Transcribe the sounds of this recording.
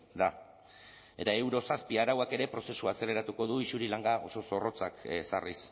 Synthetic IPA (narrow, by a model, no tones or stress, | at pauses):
d̪a | e̞t̪ae̞wɾo̞saspiaɾawake̞ɾe̞pɾo̞se̞suase̞le̞ɾat̪uko̞ðuisuɾilaŋɡaʔo̞so̞so̞ro̞t͡saksa̰ris